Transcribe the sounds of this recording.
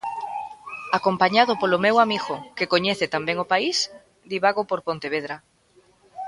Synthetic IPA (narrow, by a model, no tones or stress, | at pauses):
akompaɲaðopolomewamiɣokekoɲeθet̪ambeŋopais | d̪iβaɣopoɾpõnt̪eβ̞eðɾa